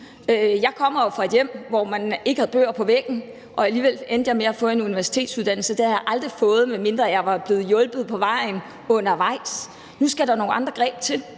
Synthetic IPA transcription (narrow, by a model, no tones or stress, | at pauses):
øjɑ̈ɪkʰɒ̽m̰ɐjo̝fʁɑ̈e̝d̥jem̰ʋɒmæne̝ɡ̥əhæð̩ˠb̥ø̰ːɐpʰɒ̽ʋeɡ̥n̩ | ʔɒ̽æliːʋel̰end̥jɑ̈ɪme̝ɐæfɔ̽ːe̝nuniʋæɐsi̥t͡sʰe̝̰ːdsuðˠd̥æn̰l̩səd̥ehæjɑ̈ʔɑ̈ld̥ʁifɔ̽ːð̞̩ˠmeme̝nd̥ʁɐjɑ̈ɪʋɑ̈b̥le̝ːð̩ˠjɔ̽lb̥ð̞̩ˠpʰɒ̽ʋɑ̈ɪ̰n | ɔ̽n̰ɐʋɑ̈ɪ̰s | nusɡ̥æɾ̥ɑ̈no̝ːn̩ɑ̈nd̥ʁɐɡ̥ʁɛ̰ːb̥t͡sʰe̝l